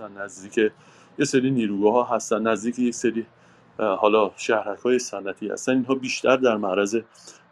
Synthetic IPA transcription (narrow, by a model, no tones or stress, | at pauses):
ænnæzd̪iːcʰe | jeseɾiːniːɾuːɡɒːɦɒːɦæst̪ænːæzd̪iːcʰejecseɾiː | hɒːlɒːʃæhɾækʰhɒːjesænʔæt̪ʰiːhæ̰st̪æniːnɦɒːbiːʃt̪ʰæɾd̪æɾmæʔɾæze̞